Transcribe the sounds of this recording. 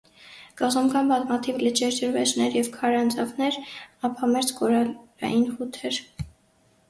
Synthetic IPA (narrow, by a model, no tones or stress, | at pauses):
kɑʁɔmkʰɑnbɑtmɑt̪ʰivlət͡ʃʰɛɾd͡ʒəɾvɛt͡ʃnɛɾjɛvkʰɑɾɑnt͡sʰɑvnɛɾɑpʰɑmɛɾt͡skʰɔɾɑɑ̰jinχut̪ʰɛɾ